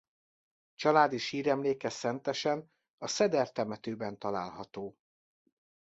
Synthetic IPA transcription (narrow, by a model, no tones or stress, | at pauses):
t͡ʃɒlaːd̪iʃiːɾɛmleːkɛsɛnt̪ɛʃɛn | ɒsɛd̪ɛrt̪ɛmɛt̪øːbɛnt̪ɒla̰ːlɦɒt̪oː